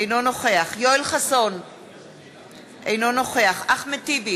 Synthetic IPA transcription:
ejnonoχe̞aχjojlχason | ʔejno̞no̞χe̞aχaχmetibi

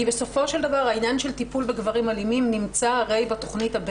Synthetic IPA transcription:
ibe̞so̞fo̞ʃeld̪avaʁainjanʃelt̪ipulbe̞ɡvaʁimalimimnimt͡saaʁe̞jbat̪o̞χnithab

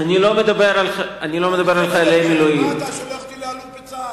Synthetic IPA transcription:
anilomed̪abeɾalanilo̞me̞d̪abe̞ɾalχaelajemeloim

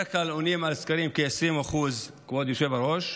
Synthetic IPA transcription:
kalonimalskaɾimkeesɾimaχuz | kvod̪joʃe̞vaɾoʃ

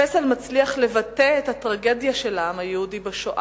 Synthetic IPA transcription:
esalmat͡sliaχle̞vat̪eːthatʁaɡe̞djaʃe̞laamhajehudibeʃoʔa

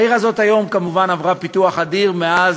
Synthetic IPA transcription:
iʁazo̞t̪ajo̞mkamuvanavʁapituaχadiʁmeaz

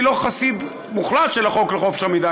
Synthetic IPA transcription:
lo̞χasid̪ | muχlat̪ʃelaχokleχo̞fe̥ʃamid̪a

